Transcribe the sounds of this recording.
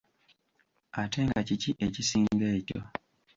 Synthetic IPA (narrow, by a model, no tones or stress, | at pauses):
atʰe̞ŋɡaciciʔecisiːŋɡeːco̰